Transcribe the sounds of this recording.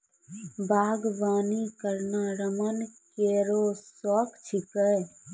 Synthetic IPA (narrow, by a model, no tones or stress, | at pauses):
bʱaːɡʋaːnikəɾnaɾəmənkeːɾoːsɔkt͡ʃʰikəj